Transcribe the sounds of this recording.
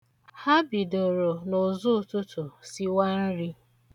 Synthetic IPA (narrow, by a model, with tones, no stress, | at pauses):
ha˦bi˨do˨ɾo˨nʊ˨zʊ˦˨tʊ˦tʊ˨si˦wa˦n̩˦ɾi˦